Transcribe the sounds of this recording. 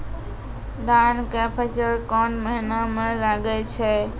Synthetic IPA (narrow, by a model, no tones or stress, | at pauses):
d̪ankepʰesəɾkɔnməɦinamelaɡɛt͡ʃʰɛ